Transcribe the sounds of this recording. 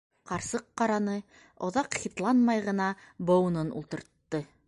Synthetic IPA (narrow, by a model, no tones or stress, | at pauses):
qɑɾsɤqːɑɾɑnɤ | ŏðɑqχʲit̪lˠɑnmɑjʁɤ̆nɑbownɤnṵlˠt̪ɤ̆ɾt̪ːɤ